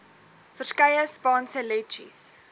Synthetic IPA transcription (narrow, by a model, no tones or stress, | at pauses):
fərskɐjəspɑːnsəlɛt͡ʃḭs